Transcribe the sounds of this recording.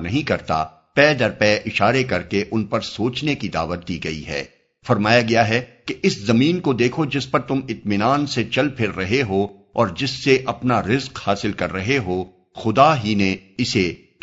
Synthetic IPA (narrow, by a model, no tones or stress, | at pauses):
nɐɦĩkɐɾt̪a̰ | pɛːd̪ɐɾpɛːʔɪʃaːɾekɐɾkeʔʊnpɐɾsoːt͡ʃnekid̪a̰ːʋət̪̚d̪iːɡɐḭɦɛ̰ː | fɐɾmaːjaɡɐjaɦɛkeʔɪszɐmiːnkod̪eːkʰod͡ʒɪspɐɾt̪ʊmɪt̪mɪnaːnset͡ʃɐlpʰɪɾːɐɦeɦo | ɔːɾd͡ʒɪsːeʔɐpnaɾɪzqhaːsɪlkɐɾːɐɦeɦo | xʊd̪aɦineɪse